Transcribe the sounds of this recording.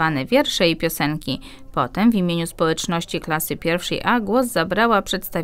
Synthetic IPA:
anɛvʲjɛɾʂɛipʲjɔsɛŋkʲi | pɔt̪ɛmvʲimʲjeɲuspɔwɛt͡ʂnɔɕt͡ɕiklasɘpʲjɛɾfʂɛ̰jʔaɡwɔzːabɾawapʂɛt̪st̪av

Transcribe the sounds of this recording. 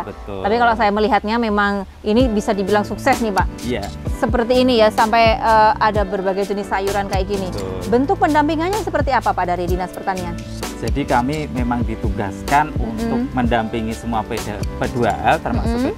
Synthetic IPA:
bət̪apikalosajaməliɦat̪̚ɲamemaŋ | inibisadibilaŋsuksɛsnipaʔija | səpərt̪iːnijasampajəadabərbaɡajd͡ʒənɪsajuɾankajikinibənt̪ʊk̚pəndampiŋaɲasəpərt̪iapapadaɾidinaspərt̪anian | d͡ʒadikamimemaŋdit̪uɡa̰skanunt̪ʊk̚məndampiŋisəmuapədapədua̰lt̪ərma̰sʊk

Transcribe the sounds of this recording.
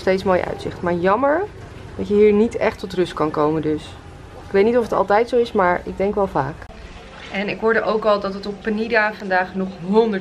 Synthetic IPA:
stejtsmoːjəʔœ̰ɥtsɪ̰χtmaːɹjɑməɹ | d̥ɑtjəɦiːɹnitɛ̰χtɔtrɵst̚kɑnkowməndɵs | ɪkʋejtnitɔfətɑ̰lˠtɛjtsowɪsmaːɹɪ̰ɡ̚dɛŋkʋɛlˠva̰ːk | ɛnɪkɦʊɹdəʔowkɑlˠdɑtətɔpːənidafɑndaːχnɔχɦɔndə

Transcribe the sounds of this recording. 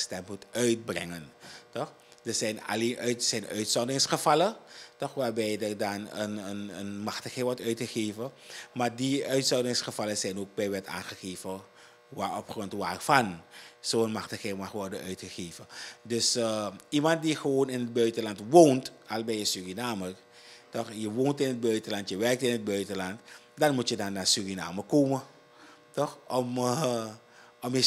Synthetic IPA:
stɛmpmutœɥt̚brɛ̰ŋəntɔx | dəzɛjna̰leːnʔœsɛjnœ̰ɥtsɔndɪŋsχəv̥ɑlətɔχʋaːɹbɛjdərdɑnənənənmɑxtəxɛʋɔɹtœɥtχəχeːvə | maːɹdiœɥtsɔndɪŋsχəvɑləzɛjnoːk̚bɛjʋɛta̰ːnχəχeːvə | ʋaːɔpχrɔntʋaːrfɑnsoːənmaχdəχemaχʋɔɹdəœɥtχəχeːvədɵsimɑnt̚diχəʋoːnɪnəd̚bœɥtəlɑntʋoːntalbɛjəsyrinaːmə | tɔχjəʋoːntɪnɦəd̚bœɥtəlɑntjəʋɛɹk̚tɪnɦəd̚bœɥtəlɑnt | dɑnmutjədɑnːaːɹsyrina̰ːməkoːmə | tɔχɔm | ɔmjə

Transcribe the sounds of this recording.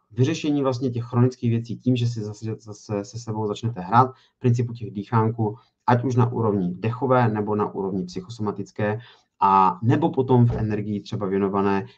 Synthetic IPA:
vɪrɛʃɛɲiːvlast̪ɲɛcɛxːɾonɪt͡skiːɣvjɛt͡siːciːmʒɛs̬ɪzasɛzasɛsɛsɛbowzat͡ʃnɛt̪ɛɦɾaːt̪̚ | pɾɪnt͡sɪpucɛɣdiːxaːŋkuː | ʔacuʃna̰ʔṵːɾo̞vɲɪdɛxo̞vɛːnɛbo̞na̰ʔṵːɾo̞vɲɪpsɪxo̞somat̪ɪt͡skɛː | ʔanɛbo̞po̞t̪o̞mfʔɛ̰nɛɾɡɪjit̪r̝̥ɛbavjɛno̞vanɛː

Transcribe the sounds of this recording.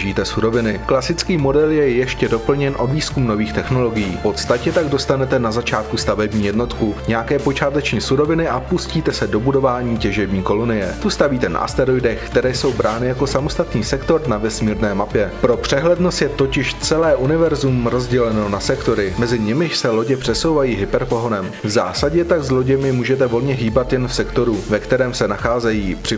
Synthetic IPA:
ʒiːt̪ɛsuɾo̞vɪnɪklasɪt͡skiːmo̞dɛljɛjɛʃcɛdo̞pl̩ɲɛnʔo̞dviːskumno̞viːxt̪ɛxno̞lo̞ɡɪjiːpo̞t̪st̪acɛt̪aɡdo̞st̪anɛt̪ɛnazat͡ʃaːt̪kust̪avɛbɲiːjɛdno̞t̪kuɲɛjakɛːpo̞t͡ʃaːt̪ɛt͡ʃɲiːsuɾo̞vɪnɪʔapusciːt̪ɛsɛdo̞budo̞vaːɲiːcɛʒɛbɲiːko̞lonɪjɛt̪ust̪aviːt̪ɛna̰ʔa̰st̪ɛɾojdɛxkt̪ɛɾɛːjso̞wbɾaːnɪjako̞samost̪at̪niːsɛkt̪o̞ɾnavɛsmiːɾnɛːmapjɛpɾo̞pr̝̥ɛɦlɛdnost̪jɛt̪o̞cɪʃt͡sɛlɛːʔunɪvɛɾzumɾo̞zɟɛlɛno̞nasɛkt̪o̞ɾɪmɛzɪɲɪmɪʃsɛlo̞ɟɛpr̝̥ɛso̞wvajiːɦɪpɛɾpo̞ɦonɛmvza̰ːsaɟɛt̪aɡzlo̞ɟɛmjɪmuːʒɛt̪ɛvo̞lɲɛɦiːbat̪jɛnfsɛkt̪o̞ɾuvɛkt̪ɛɾɛːmsɛnaxaːzɛjiːpr̥ɪ

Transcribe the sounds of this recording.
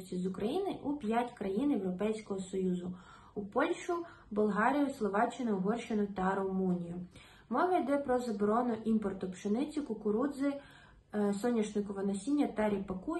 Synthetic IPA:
t͡sʲizʊkɾɐjinɪʔupʲjatʲkɾɐjinjewɾɔpɛjsʲkɔɦɔsɔjuzʊ | upɔlʲʃʊ | bɔlˠɦɑɾʲijʊslˠɔʋɑt͡ʃːɪnɐɦɔrʃɪnʊt̪ɐɾɔmunʲijʊ | mɔʋɐjd̪ɛpɾɔzɐbɔɾɔnʊʔimpɔrt̪ɔpt͡ʃɪnɪt͡sʲʊkʊkʊɾud̪zɪ | sɔnʲːiʃnɪkɔʋɐnɐsʲinʲːɐt̪ɛɾʲipɐku

